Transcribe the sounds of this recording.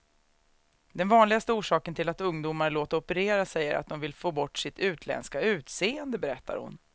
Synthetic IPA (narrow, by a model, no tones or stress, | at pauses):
d̪ɛnvɑːnlɪɡast̪əuːʂɑːkənt̪ʰɪlat̪ɵŋd̪uːmaɾɭoːt̪əɔpəɾeːɾasɛjːəɾʔa̰t̪̚d̪ɔmvɪlfoːbɔʈːʂɪt̪ʉ̟ːt̪ʰlɛ̰nskaʉ̟ːt̪seːənd̪əbɛɾɛt̪ʰːa̰ɾhʊ̰n